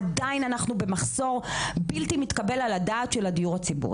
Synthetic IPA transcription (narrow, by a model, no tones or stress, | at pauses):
adainanaχnube̞maχso̞ʁbiltimit̪kabe̞laladaːtʃeladijuʁhat͡sibṵʁ